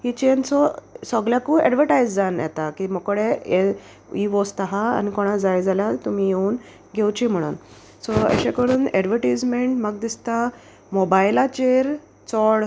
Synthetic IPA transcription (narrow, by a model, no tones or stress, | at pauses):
ɦit͡ɕensɔsɔɡljakuɛɖʋəɾʈajd͡zd͡zanjɛ̰t̪akimɔkɽee | iʋost̪aɦa̰ːnikoɽ̃ad͡zajd͡zaljat̪um̤ijeuːn | ɡʱewt͡ɕim̤əɽ̃ṵːn | sɔə̰ɕẽkəɾuːnɛɖʋəɾʈajd͡zmeɳʈməɡ̚d̪ist̪a | mobajlat͡ɕeɾ | t͡sɔɽ